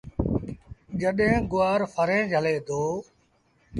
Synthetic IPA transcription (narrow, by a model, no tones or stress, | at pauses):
d͡ʒəɗɦẽːɡʊaːɾfʰəɾẽːd͡ʒʱəleːd̪oː